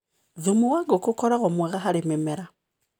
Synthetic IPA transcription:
ðumuwaɡokukɔɾaɣomweɣaɦaɾimemeɾa

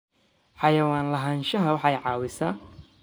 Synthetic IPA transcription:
ħɑjɐwaːnlɐɦaːnʃɐɦɐwɑħɑjʕɑːwɪsɐː

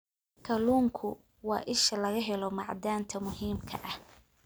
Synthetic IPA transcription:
kʰɐluːŋkʰʊ | wɑ̰ːʔɪʃɐlɐɣɐɦɛlɔmɑ̰ʕd̪aːnt̪ʰɐmʊɦiːmkʰɐ̰ʔɐh

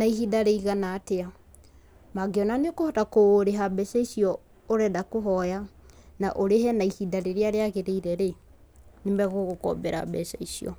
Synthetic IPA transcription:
naihidaɾeiɣanatea | maɡeɔnaneokohotakoɾeɦabɛsaisiɔ | oɾɛdakoɦɔjanaʔoɾeɦɛnaihidaɾeɾeaɾeaɣeɾeiɾɛɾe | nemɛɣoɣokɔ̰bɛɾa̰bɛsa̰isiɔ̰

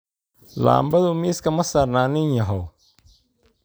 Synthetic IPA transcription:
la̰ːmbɐðʊmiːskʰɐmɐsaːrnaːnɪnjɐɦɔw

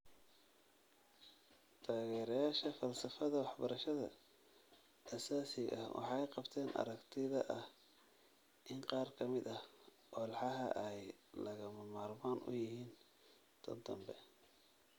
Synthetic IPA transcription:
t̪ʰaːɣɛːɾjaːʃɐfɐlsɐfɐðɐwɑħbɐɾɐʃɐðɐ̰ | ʔɐsaːsɪɣɐ̰hwɑ̰ħɑjqɑbt̪ʰɛːnʔɐ̰ɾɐkt̪ʰɪðɐʔɐh | ʔɪnqɑːrkʰɐmɪd̪ɐh | ʔɔːlħɑɦɐ̰ʔɛjlɐɣɐmɐmaːrmaːnʊ̰jɪɦiːn | t̪ʰɐ̰d̪ɐmbɛ

